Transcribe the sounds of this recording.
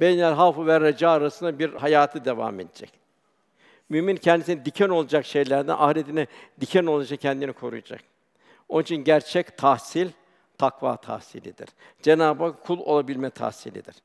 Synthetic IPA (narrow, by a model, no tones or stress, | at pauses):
b̥ejnʲælʲɦafɯvɛɾad͡ʒaːɾasɯnd̪abiɾhajaːt̪ʰɯd̪e̞va̰ːme̞d̪ed͡ʒɛ̰c | mymincʰɛnd̪isinid̪icʰæno̞lˠad͡ʒakʃe̞jlʲæɾd̪æ̰nʔahlet̪ʰinɛd̪icʰæno̞lˠad͡ʒak̚cʰɛnd̪inikʰo̞ɾṵjad͡ʒa̰k̚ | o̞nit͡ʃʰinɟæɾt͡ʃʰɛct̪ʰahsilʲ | t̪ʰakva̰ːt̪ʰa̰hsilʲḭd̪ḭɾ̥ | d͡ʒenaːbakkʰːulˠo̞̰lˠabilʲmɛt̪ʰa̰hsḭlʲḭd̪iɾ̥